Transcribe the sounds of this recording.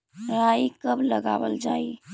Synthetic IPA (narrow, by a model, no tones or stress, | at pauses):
ɾaikəbləɡa̰ːʋə̰ld͡ʒaːi